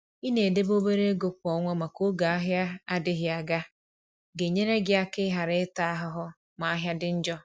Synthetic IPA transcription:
i˦ne˨de˦bo˦be˦ɾe˦ɡo˨k̚ʷɔ˨ŋʷɔ˦ma˨ko˦ɡa˨a˦ɦja˦a˦dɪ˦ɦja˨ɡa˦ | ɡe˨ɲe˦ɾe˦ɡɪ˦a˦kɪ˦ɦa˨ɾɪ˦ɪ˦ta˦a˦ɦʊ˦ɦʊ˦ | ma˨a˦ɦja˦dɪ˦n̩˦d͡ʒɔ˦

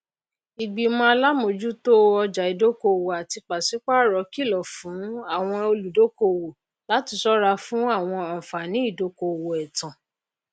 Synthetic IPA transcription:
i˨ɡ͡bi˨mɔ̃˦a˧la˦mo˧˨d͡ʒu˦to˦ɔ˧d͡ʒa˨i˨do˦ko˧˨wo˨a˨ti˧k͡pa˨si˨˦k͡pa˦˨ɾɔ˨˦ki˦˨lɔ˨fũ˨˦a˦˨w̃ɔ̃˧o˧lu˨do˦ko˧˨wo˨ | la˨˦ti˧˦sɔ˦ɾa˧fũ˦a˦˨w̃ɔ̃˧a˨fa˨nĩ˨˦i˦˨do˨˦ko˧˨wo˨ɛ˨tã˨

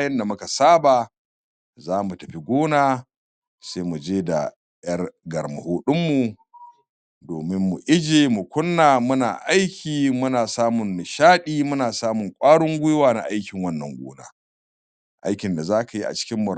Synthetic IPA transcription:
jɐ˦nda˨mʊ˦ka˨saː˦baː˨ | zaː˦mu˨tɐ˨ɸi˨ɡʷoː˦naː˦ | sa˦jmu˨d͡ʒeː˦da̰˨ | jɐ˦rɡɐ˨rmʊ̰˨hoː˦ɗʊ˦mːu˨ | doː˨mɪ˦mːu˨ʔɪ˦d͡ʒeː˨mu˨kʷʊ˦nːaː˨mʊ˦na̰ː˨ʔa˦jkʲiː˨mʊ˦naː˨saː˦mʊ˨n˨ʃaː˦ɗiː˦mʊ˦naː˨saː˦mʊ˨ŋkʷʼaː˦ɽʊ˦ŋɡʷʊ˦jwaː˨na̰˨ʔa˦jkʲɪ˨ŋwɐ˦nːɐ̰˨ŋɡʷo̰ː˦na̰ː˨ | ʔa̰˦jkʲɪ˨nda˨zaː˦ka˨ji˦ʔa̰˨t͡ʃɪ̥˦kʲɪ˦mːʊ˨ɾ

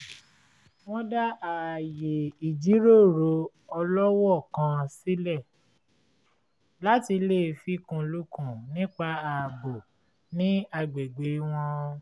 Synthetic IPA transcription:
w̃ɔ̃˦da˦a˨je˨i˨d͡ʒi˨˦ɾo˦˨ɾo˨˧ | ɔ˧lɔ˦wɔ˦˨kã˧si˦lɛ˦˨ | la˦ti˧le˦˨fi˦kũ˧lu˦kũ˦˨nĩ˦k͡pa˧a˨bo˨ | nĩ˨˦a˧ɡ͡be˨ɡ͡be˨˦w̃ɔ̃˧

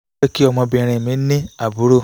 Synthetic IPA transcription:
ɛ˦ki˦ɔ˧mɔ̃˧bĩ˧ɾ̃ĩ˨mĩ˨˦nĩ˦a˨bu˨˦ɾo˦˨

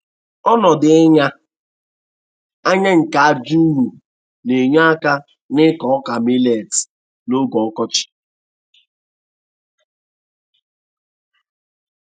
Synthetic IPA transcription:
ɔ˦nɔ˨dɪ˨˦ɲa˦ | a˦ɲa˦ŋ̩˨ka˨a˨d͡ʒu˦ɦu˨ | ne˨ɲa˦ka˦ | nɪ˦kɔ˨ɔ˦ka˨mi˦le˨t | no˦ɡɔ˨ɔ˦kɔ˦t͡ʃɪ̥˨

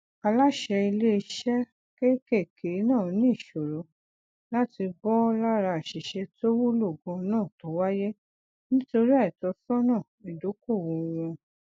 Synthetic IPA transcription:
a˧la˦ʃɛ˧i˧le˦i˧ʃɛ˦ | ke˦ke˦˨kʰe˨˦nãː˦˨˦nĩ˦i˦˨ʃo˨ɾo˨˦ | la˦ti˧bɔ˦la˦ɾa˧a˨ʃi˨ʃɛ˧to˦wu˦lo˦˨ɡɔ̃˧nãː˦˨to˨˦wa˦je˦ | nĩ˦to˧ɾi˦a˦˨tɔ˨˧sɔ˦nãː˦˨i˨do˨˦ko˦˨wõ˧ɾ̃ũ˧

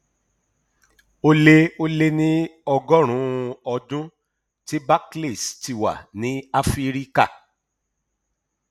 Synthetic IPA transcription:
o˦le˦o˦le˦nĩ˦ɔ˧ɡɔ˦ɾ̃ũ˨˦ɔ˧dũ˦ | ti˦ba˦kle˦˨sti˨wa̰˨nĩ˨˦a˦fi˦ɾi˦ka˦˨

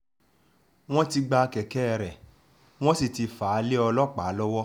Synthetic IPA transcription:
w̃ɔ̃˦ti˧ɡ͡ba˧kɛ˨kɛ˦ɛ˨ɾɛ˨ | w̃ɔ̃˦si˨ti˧fa˨˦le˦ɔ˧lɔ˦k͡pa˨˦lɔ˦wɔ˦

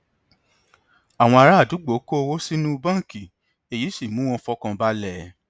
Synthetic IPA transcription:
a˨w̃ɔ̃˧a˧ɾa˦˨du˨˦ɡ͡bo˨˦ko˦˧wo˦si˦nũ˦˧bã˦˨ki˨ | e˨ji˨˦si˦˨mũ˨˦w̃ɔ̃˧fɔ˧˦kã˧ba˦lɛ˦˨

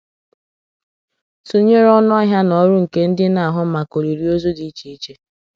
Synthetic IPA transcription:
su˨ɲe˦ɾɔ˦nʊ˦ɦja˦nɔ˨˦ɾʊ˦ŋ̩˨ke˦n̩˦dɪ˦na˨a˨ɦʊ˦ma˨ko˨ɾi˨ɾi˦o˦zo˦di˨˦i˦t͡ʃi˨i˦t͡ʃe˦

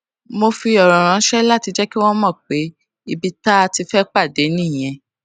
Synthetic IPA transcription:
mo˧fi˧ɔ˨ɾɔ̃˨ɾ̃ã˨˧˦ʃɛ˦la˦ti˧d͡ʒɛ˦ki˦w̃ɔ̃˦mɔ̃˦˨k͡pe˨˦ | i˧bi˧ta˦a˧ti˧fɛ˦k͡pa˦˨de˨˦nĩ˦˨j̃ɛ̃˧

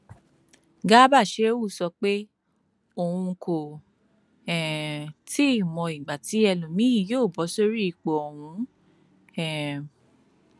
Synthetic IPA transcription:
ɡa˦ba˦˨ʃe˦wu˦˨sɔ˧k͡pe˦ | o˧˨hũ˧kʰo˨ | ɛ̃˨ti˦i˦˨mɔ̃˧i˨ɡ͡ba˨ti˨˦ɛ˧lũ˨mĩ˦i˦˨joː˦˨bɔ˨˦so˦ɾi˦i˨k͡po˨o˨hũ˧˦ | ɛ̃˨

